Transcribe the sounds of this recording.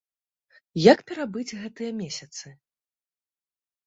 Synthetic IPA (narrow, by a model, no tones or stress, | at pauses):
jakpʲɛɾabɨd͡zʲɣɛt̪ɨjɐmʲesʲɐt̪sɨ